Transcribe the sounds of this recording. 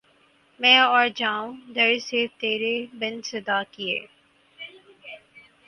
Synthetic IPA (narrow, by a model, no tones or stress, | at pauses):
mɛ̃ːɔːɾd͡ʒãːũːd̪əɾsɪt̪eːɾebɪ̃nsɐd̪aːkiḛː